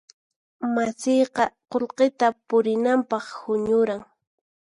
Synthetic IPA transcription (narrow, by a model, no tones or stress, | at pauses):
masɪjqɑqolqet̪apʊɾɪnampɑχhʊɲʊɾaŋ